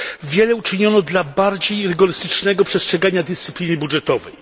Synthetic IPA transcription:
vʲjɛlɛut͡ʂɘɲɔnɔd̪labaɾd͡ʑejɾɘɡɔɾɘst̪ɘt͡ʂnɛɡɔpʂɛstʂɛɡaɲad̪ɘst̪sɘ̥pʲlʲinɘbudʐɛt̪ɔvɛj

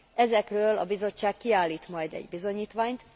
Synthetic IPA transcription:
ɛzɛkrøːlɒ̰bizo̞t͡ʃːaːkkːiaːlːiːt̪mɒjd̪ɛ̰ɟbizo̞ɲiːt̪ʋaːɲt̪

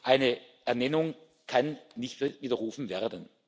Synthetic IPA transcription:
ʔaɪnəʔɛɐnɛnʊŋ | kʰanːɪçtfviːdɐʁuːfn̩veːɐdən

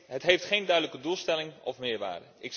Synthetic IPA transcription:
ɦətɦejftχejndœɥdələkədulˠstɛlɪŋɔ̰fmɪːɹʋa̰ːdə̰ɪk

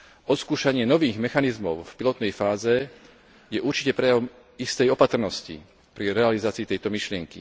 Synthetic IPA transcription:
ɔt̪skuːʃaɲɪɛnɔʋiːɣmɛxanizmɔʊfpilɔt̪nɛjfaːzɛ | jɛʔuɾt͡ʃicɛpɾɛjaʋɔm | ist̪ɛjɔpat̪r̩nɔscḭ | pɾiɾɛalizaːt͡siːt̪ɛjt̪ɔmiʃlɪɛŋkḭ

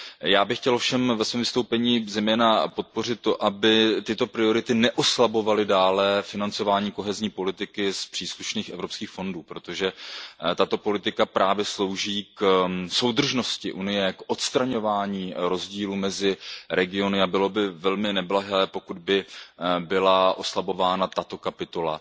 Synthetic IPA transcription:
jaːbɪxcɛlofʃɛmvɛsvɛːmvɪst̪owpɛɲiːzɛjmɛːnapo̞t̪̚po̞rɪt̪ːo̞ʔabɪt̪ɪt̪o̞pɾɪo̞ɾɪt̪ɪnɛʔoslabo̞valɪdaːlɛfɪnant͡so̞vaːɲiːko̞ɦɛzɲiːpo̞lɪt̪ɪkɪspr̥iːsluʃniːxʔɛvɾo̞pskiːxfonduːpɾo̞t̪oʒɛt̪at̪o̞po̞lɪt̪ɪkapɾaːvjɛslo̞wʒiːkso̞wd̪r̩ʒno̞scɪʔunɪjɛkʔo̞t̪st̪ɾaɲo̞vaːɲiːɾo̞zɟiːluːmɛzɪɾɛɡɪo̞nɪabɪlo̞bɪvɛlmɪnɛblaɦɛːpo̞kud̪̚bɪbɪlaʔo̞slabo̞vaːnat̪at̪o̞kapɪt̪o̞la̰

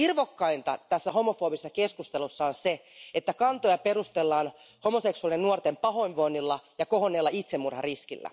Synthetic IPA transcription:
irʋokːɑint̪ɑ̰t̪æsːæho̞mofoːbisesːɑkeskust̪elusːɑonseet̪ːækɑnt̪ojɑperust̪elːɑːn | ho̞moseksuɑliennuort̪empɑɦo̞inʋoinːilːɑjɑkohonːeːlːɑit̪semːurhɑriskilːæ̰

